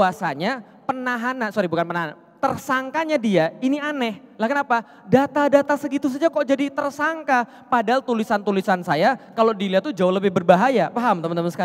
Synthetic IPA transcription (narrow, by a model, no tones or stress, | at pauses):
kuasaɲa | pənaɦanasoɾibukanpənaɦana | t̪ərsaŋkaɲadiainianɛhlahkənapa | dat̪adat̪asəɡit̪us̬ad͡ʒakɔʔd͡ʒadit̪ərsaŋka | padaɦalt̪ulisant̪ulisansajakalodiliat̪ud͡ʒaʊhləbɪhbərbaɦajapaɦamt̪əmant̪əmansəka